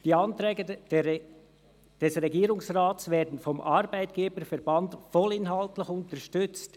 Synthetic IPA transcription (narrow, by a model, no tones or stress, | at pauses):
d̥iːɑntɾɛːɡə | d̥ɛsʁɛɡiːɾʊŋsraːtsvɛːdn̩fɔmʔɑɾbaɪtɡ̥eːbəɾfɛɾbɑndfɔlɪnɦɑltlɪçʊntəɾʃtʏt͡st